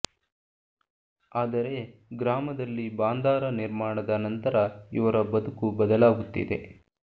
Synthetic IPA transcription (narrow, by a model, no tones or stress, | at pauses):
aːd̪ɐɾe̞ɡɾaːmɐd̪ɐlːibaːnd̪aːɾɐniɾmaːɳɐd̪ɐnɐnt̪ɐɾɐiʋɐɾɐbɐd̪ukubɐd̪ɐlaːɡut̪ːḭd̪e̞̰